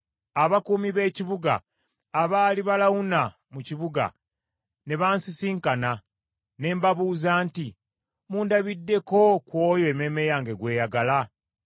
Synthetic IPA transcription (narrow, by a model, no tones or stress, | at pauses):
aβakuːmiβe̞ːciβuɡa̰ː | βaːliβalawuna | muciβuɡa̰ | ne̞βaːnsisiːŋkana | ne̞ːmbaβuːzaːnti | muːndaβidːe̞ko̞kwo̞ːjoeme̞me̞jaːŋɡe̞ɡwe̞ːjaɡala